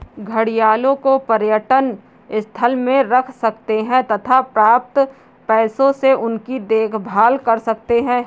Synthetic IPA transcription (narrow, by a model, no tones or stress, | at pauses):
ɡʱəɽijaːlõkopɐɾjəʈən | ɪst̪ʰəlmẽɾɐkʰsɐkt̪eɦɛ̃t̪ɐt̪ʰapɾaːp̚t̪ | pɛːsõseʔʊnkid̪eːkʰbʱaːlkɐɾsɐk̚t̪eɦɛ̃ː